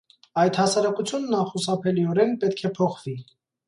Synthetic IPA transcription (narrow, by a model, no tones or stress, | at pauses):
ɑjt̪hɑsɑɾɑkut͡sʰjunːɑχusɑpʰɛliɔɾɛnpɛt̪kʰɛpʰɔχv̥i